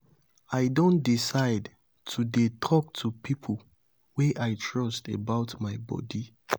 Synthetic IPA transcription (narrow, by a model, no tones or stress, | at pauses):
aɪdõntdisaɪd | tʰudetʰɔk̚tʰupʰipʰəl | weʔaɪtʰɹɔstebaʊtmaɪbɔ̰di